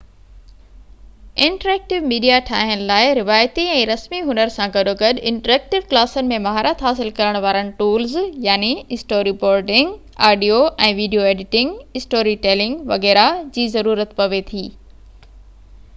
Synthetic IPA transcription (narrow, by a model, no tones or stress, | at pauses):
ɪ̃ɳʈəɾɛːk̚ʈɪʋmiːɖijaʈʰa̰ːɦənɪ̆laːɪɾɪʋaːjt̪iɛ̃ːɾɐsmiɦʊnəɾsãɡɐɗoɡɐɗɪ̃ɳʈəɾɛːk̚ʈɪʋklaːsənɪ̆mẽmɐɦaːɾət̪ɦaːs̬ɪlkɐɾəɽ̃ʋaːɾənɪ̆ʈuːlzjaːniɪsʈoːɾipoːɾʈɪ̃ŋɡ | aːɖijoʔɛ̃ːʋiːɖijoeːɖɪʈɪ̃ŋɡɪsʈoːɾiʈɛːlɪ̃ŋɡʋɐ̰ɣɛːɾad͡ʑiːzɐɾuːɾət̪pɐʋet̪ʰiː